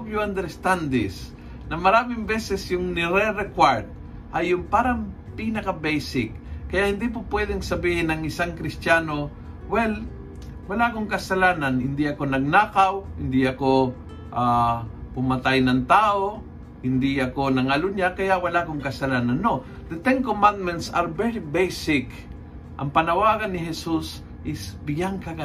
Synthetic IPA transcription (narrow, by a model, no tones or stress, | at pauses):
bjuand̪ɛɾst̪and̪ɪs | nɐmɐɾaːmɪŋbɛsɛsjʊŋnɪɾɛɾɛkwaɹt̪̚ | ʔɐjːʊŋpaːɾɐŋ | pinɐkɐbɛjsɪk̚ːɐjaʔhɪnd̪ip̬opwɛd̪ɛŋsɐbiːhɪnɐŋɪsaŋkɾɪst̪aːno̞ | wɛl | wɐlaʔɐkoŋkɐsɐlaːnɐnhɪnd̪iʔɐko̞nɐɡ̚naːkawhɪnd̪ɪʔɐko | ʔapʊmɐt̪ajnɐŋt̪aːʔo | hɪnd̪ɪɐkonɐŋalʊɲjakɐjaʔwɐlaʔkoŋkɐsɐlaːnanːo | d̪ɐt̪ɛnkomand̪̚mɛnt̪saɾbɛɹibejsɪk | ʔɐ̰ŋpɐnɐwaːɡɐnːɪɦɛsus | ʔɪsbɪɡaŋkɐɡa